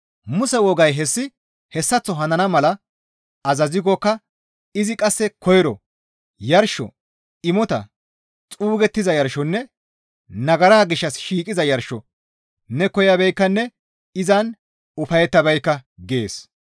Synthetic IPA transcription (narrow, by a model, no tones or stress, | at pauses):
mʊsɛwɔɡɐjɦɛsːɪ | hɛsːɐt͡sːɔɦɐnɐnɐmɐlɐ | ɐzɐzɪɡɔkːɐ | ɪzɪkʼɐsːɛkɔjɪɾɔ̰ | jɐɾʃɔ̰ | ɪmɔt̪ɐ̰ | t͡sʼuːɡɛt̪ːɪzɐjɐɾʃɔnːɛ | nɐɡɐɾaːɡɪʃːɐsʃiːkʼɪzɐjɐɾʃɔ | nɛkɔjɐbɛjkːɐnːɛ | ɪzɐn | ʊfɐjɛt̪ːɐbɛjkːɐɡe̞̰ːs